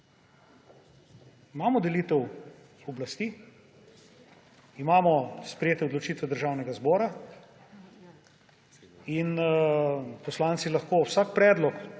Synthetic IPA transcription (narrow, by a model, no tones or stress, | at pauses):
imaːmɔd̪ɛliːt̪ɛw | ɔblast̪iː | imaːmɔspɾɛjeːt̪ɛɔd̪lɔt͡ʃiːt̪ʋɛd̪əɾʒaːwnɛɡazbɔːɾa | in | pɔslaːnt̪silaxkoːwsakpɾɛːd̪lɔk